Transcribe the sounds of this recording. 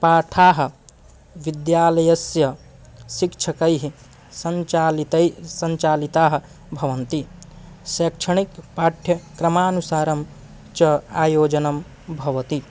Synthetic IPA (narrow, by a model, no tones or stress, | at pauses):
paːʈʰaːɦ | ʋid̪jaːlɐjɐsjɐ | sikt͡ʃʰɐkɐjɦi | sɐnlt̪sɐnt͡ʃaːlit̪aːɦ | bʱɐʋɐnt̪i | sekt͡ʃʰɐɳikpaʈʰjɐkɾɐmaːnusaːɾɐm | t͡ʃɐaːjoːd͡ʒɐnɐm | bʱɐʋɐt̪i